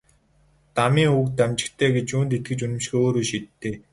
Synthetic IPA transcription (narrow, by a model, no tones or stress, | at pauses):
t̪amiːŋukt̪æmt͡ɕɪ̥̆kt̪ʰeːɡet͡ɕuːnt̪et̪̚ɡɘ̆t͡ɕunɪ̆mʃxeoːɾoːʃit̪ʰːeː